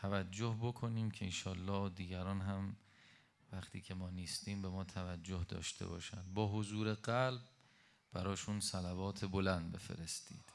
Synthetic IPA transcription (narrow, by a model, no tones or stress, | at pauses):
t̪ʰævæd͡ʒːo̞hbo̞kʰo̞niːmcʰeenʃɒːlːɒːd̪iːɡæɾɒːnɦæm | væχt̪ʰḭːkcʰe̞mɒːniːst̪iːmbe̞mɒːt̪ʰævæd͡ʒːohd̪ɒ̰ːʃt̪ʰḛbɒ̰ːʃænd̪bɒːɦozuːɾe̞ɢælb̚ | bæɾɒːʃunsælævɒːt̪ʰe̞bo̞lænd̪be̞̰fe̞̰ɾe̞st̪ḭːd̪̥